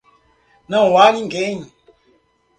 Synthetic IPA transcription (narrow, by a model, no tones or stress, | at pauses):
nãwanĩŋɡeɲ